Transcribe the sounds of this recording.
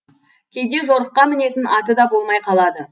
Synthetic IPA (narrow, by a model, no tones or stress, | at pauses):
kʲʰejd̪e̞ʒo̞ɾəqːɑmɪne̞t̪ɪnʔɑt̪əd̪ɑbo̞lˠmɑjqʰɑlˠɑd̪ə